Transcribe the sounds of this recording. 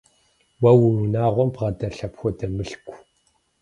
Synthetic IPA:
wɐwnunaːʁʷɔmpʁɐdɐɬɐpxʷɔdɐmɨɬkʷ

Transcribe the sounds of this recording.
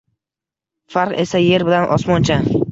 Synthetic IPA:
faɾqe̞saje̞ɾbɪlanʔɒsmɒnt͡ʃʰa

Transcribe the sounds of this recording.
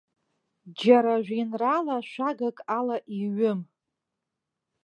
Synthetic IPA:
d͡ʒaɾaʒᶣʷinralaʃʷaɡakʼalaʔiɥʊm

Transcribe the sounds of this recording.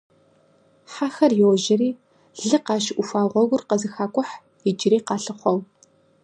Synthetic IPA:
ħaxɐrjɪwʒɐɾiː | ɮɨqɑːʃɪʔʷʊfaːʁʷɔɣʷʊrqɐzɨxaːkʷʼɔħ | ɪd͡ʒɪɾiːqɑːɬɨχʷɔw

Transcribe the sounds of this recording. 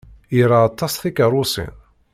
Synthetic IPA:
iɾaːt̪ˤːɑsθikəɾˤʊsḭn

